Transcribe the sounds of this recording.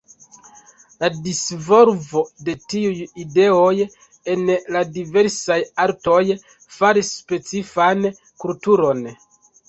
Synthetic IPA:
ladisvo̞ɾvo̞de̞tiujide̞o̞j | e̞nladive̞ɾsajaɾto̞j | faɾisːpe̞t͡sifan | kultuɾo̞n

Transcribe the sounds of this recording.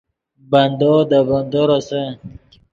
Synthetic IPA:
band̪ɔd̪aband̪oɾasa

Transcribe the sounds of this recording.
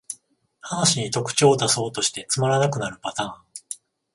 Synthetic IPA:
hanaɕiɲ̟it̪o̞kɯ̟̥t͡ɕo̞ːt̪aso̞ːt̪o̞ɕi̥t̪e̞t͡sɨmaɾanakɯ̟naɾɯ̟pat̪ãːŋ

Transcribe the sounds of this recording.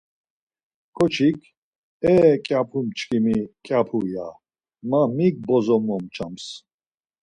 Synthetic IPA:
kʰɔt͡ʃʰikʰ | ɛkʼjapʰumt͡ʃʰʼkʰimikʼjapʰuja̰ | mamik̚bɔzɔmɔmt͡ʃʰams

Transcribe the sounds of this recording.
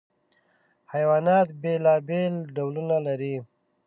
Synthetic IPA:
hajwɑːnɑt̪belɑbelɖawlunalaɾi

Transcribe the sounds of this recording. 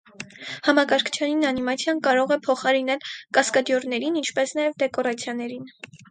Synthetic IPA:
hɑmɑkɑɾkʰt͡ʃʰjɑninɑnimɑt͡sʰjɑnkɑɾɔʁɛpʰɔχɑɾinɛlkɑskɑd̪jɔɾnɛɾinint͡ʃʰpɛsnɑjɛvd̪ɛkɔɾɑt͡sʰjɑnɛɾin

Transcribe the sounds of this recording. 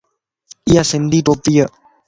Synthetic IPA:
iasend̪it̪opiə

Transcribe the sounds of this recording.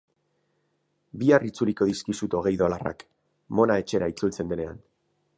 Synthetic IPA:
biarit͡suliko̞ðiskisut̪o̞ɣ̞e̞jðo̞lara̰k | mo̞nae̞t͡ʃe̞ɾait͡sult͡se̞nd̪ene̞a̰n

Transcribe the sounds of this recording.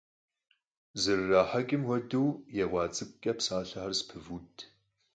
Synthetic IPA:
zɨrːaːħɐɡʲʼɪmwɔduwjɛwʷɑːt͡sʼɨkʼɐpsaːɬɐħarspʰɨvuːtʼʰ

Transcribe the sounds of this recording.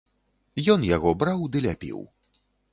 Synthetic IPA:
jɔnjaɣɔbɾawd̪ɨlʲapʲḭw

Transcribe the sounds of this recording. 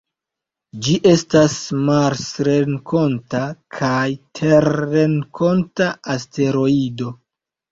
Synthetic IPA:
d͡ʒiʔe̞stasmaɾsɾenkʰo̞ntakʰajtʰeɾːeŋkʰo̞ntaaste̞ɾo̞ido̞

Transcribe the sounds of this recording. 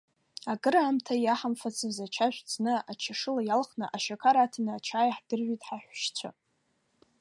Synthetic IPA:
aɡɨɾaːmtʰajaħamfat͡sʰɨzat͡ʃʰaʒᶣʷt͡snɨat͡ʃʰaʂɨlajalχnɨʔaʃakʰaɾatʰanɨat͡ʃʰaːjaħd̥ɨrʒʷᶣitʼħaħʷᶣʃt͡sʷʰa̰

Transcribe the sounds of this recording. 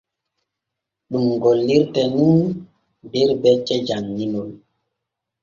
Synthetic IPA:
ɗuŋɡɔlːiɾtɛnun | biɾbɛt͡ʃɛd͡ʒaŋːinol

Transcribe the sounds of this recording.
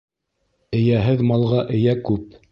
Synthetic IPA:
ɘ̆jæɦɘðmɑlˠʁɑʔɘ̆jækʉp̚

